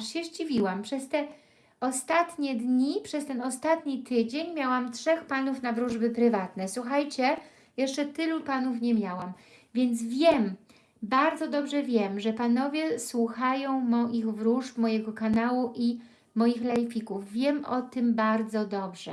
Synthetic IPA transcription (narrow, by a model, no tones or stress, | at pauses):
ʂɕɛʑd͡ʑivʲiwampʂɛst̪ɛ | ɔst̪at̪ɲɛd̪ɲipʂɛst̪ɛnɔst̪at̪ɲit̪ɘd͡ʑeɲmʲjawamtʂɛxpanufnavɾuʐbɘpɾɘvat̪nɛswuxajt͡ɕɛ | jɛʂt͡ʂɛt̪ɘlupanufɲɛmʲjawamvʲjɛnd̪zvʲjɛm | baɾd̪zɔd̪ɔbʐɛvʲjɛmʐɛpanɔvʲjɛswuxajɔ̃w̃mɔʔiɣvɾuʂpmɔjɛɡɔkanawuʔi | mɔjixlɛjfʲikuvːʲjɛmɔt̪ɘmbaɾd̪zɔd̪ɔbʐɛ